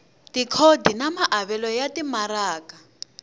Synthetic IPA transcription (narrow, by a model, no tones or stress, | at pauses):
tikʰodinamaʔaβɛlɔjatimaɾaːka